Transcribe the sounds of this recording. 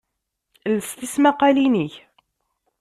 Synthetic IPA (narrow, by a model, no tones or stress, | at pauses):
ləst̪ismæqɑliniç